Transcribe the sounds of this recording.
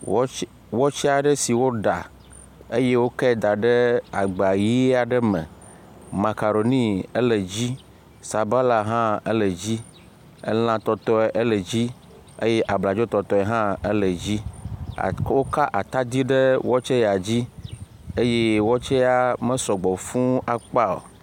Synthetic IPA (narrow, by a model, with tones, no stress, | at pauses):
wɔ˦t͡ʃɛ˦a˨ɖə˦si˨wo˦ɖa˨ | e˦je˦wo˦kɛ˦˨d̪a˨ɖə˦a˨ɡ͡ba˨ji˦a˨ɖə˦mə̰̃˨ | ma˨ka˨ɾo˨nĩ˦ə˦lə˨d͡ʑi˦ | sa˨ba˦la˨ɦã˦ə˦lə˨d͡ʑi˦ | ə̰˦l̃ã˨t̪ɔ˦t̪ɔ˦ɛ˨ʔe˦lə˨d͡ʑi˦ | ḛ˦je˦ʔa˨bla˨d͡ʒɔ˦t̪ɔ˨t̪ɔ˦ɛ˨ɦã˦e˦lə˨d͡ʑḭ˦˨ | wo˦ka˦ʔa˨t̪a˦d̪i˦ɖə˦wɔ˦t͡ʃe˦ja˨d͡ʑi˦ | e˦je˦wɔ˦t͡ʃɛ˦ja˦mə̃˦sɔ˨ɡ͡bɔ˨fũ˦a˨k͡pa˦o̰˨